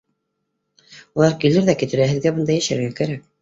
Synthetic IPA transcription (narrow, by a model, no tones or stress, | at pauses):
ulˠɑɾkilɘɾðækit̪ɘ̆ɾæɦɘ̆ðɡæbɤ̆nd̪ɑjæʃæɾɘ̆ɾɡækæɾæk̚